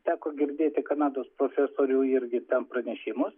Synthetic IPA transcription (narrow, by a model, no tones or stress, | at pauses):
t̪ʲæːkoːɡʲɪɾʲd̪ʲeːt̪ʲɪkɐnɑːd̪oːspɾoːfʲɛːsoːɾʲuːɪɾʲɡʲɪt̪ʲɛnpɾɐnʲɛʃʲɪmʊs